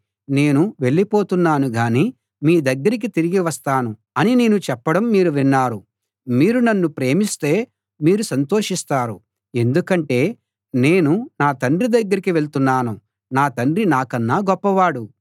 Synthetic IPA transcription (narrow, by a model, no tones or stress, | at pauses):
ne̞ːnuʋe̞ɭːipo̞ːt̪unːaːnuɡaːniː | miːd̪ɐɡːɐɾik̬it̪iɾiɡiʋɐst̪aːnu | ɐnine̞ːnut͡ʃɛpːɐɽɐmːiːɾuʋinːaːɾu | miːɾunɐnːupɾe̞ːmist̪e̞ː | miːɾusɐnt̪o̞ːʂist̪aːɾṵ | e̞nd̪ukɐɳʈe̞ː | ne̞ːnunaːt̪ɐɳɖɾid̪ɐɡːɐɾikiʋe̞ɭt̪unːaːnu | naːt̪ɐɳɖɾinaːkɐnːaːɡɔpːɐʋaːɽu